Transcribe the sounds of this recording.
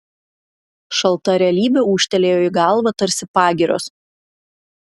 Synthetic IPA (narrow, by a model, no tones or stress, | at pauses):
ʃɐlˠt̪ɐɾʲɛɐlʲiːbʲeuːʃʲt̪ʲɛlʲeːjoːɪɡɑˑlˠʋɐt̪ɐɾʲsʲɪpɑːɡʲɪɾʲo̰ːs